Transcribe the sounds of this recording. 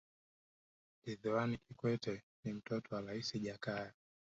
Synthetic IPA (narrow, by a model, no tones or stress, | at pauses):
diðiwanikikwɛtɛ | nim̩tɔtɔwaɾaisiʄakaja